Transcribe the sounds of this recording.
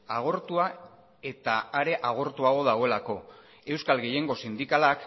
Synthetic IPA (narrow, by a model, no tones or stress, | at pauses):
aɣ̞o̞ɾt̪ua | e̞t̪aːɾe̞ʔaɣ̞o̞ɾt̪uaɣo̞ðaɣo̞e̞lako̞ | e̞wskalɣe̞je̞ŋɡo̞sind̪ikalak